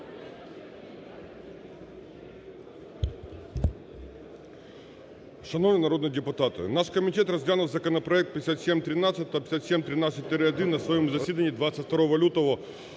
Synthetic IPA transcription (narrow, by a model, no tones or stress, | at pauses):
ʃɐnɔvnəjnɐɾod̪njid̪ɪpʊt̪ɑt̪ɪ̰naʃkɐmʲitʲɛt̪rɐzʲlʲanʊwzɐkɔnɐpɾɔɐɛk̚t̪̚pʲjesʲat̪sʲemʲt̪ɾʲɪnɑsʲət̪̚ʲːɐpʲjsʲat̪sʲemʲt̪ɾʲɪnat̪ʲːɪt̪̚ʲt̪ːɪɾɪɐd̪ɪnːɐsʋɐjomuzɐsʲid̪ɐnʲːid̪ʋat̪sʲɐt̪ʲft̪ɐɾɔʋɐlʲut̪ɔʋɔ